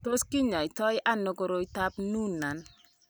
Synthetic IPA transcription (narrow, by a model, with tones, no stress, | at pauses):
to˦ski˦ɲɔ˨ɪ˨tɔ˦jʔa˦no˨ko˦ɾo˦i˦ta˦pnu˦na˨n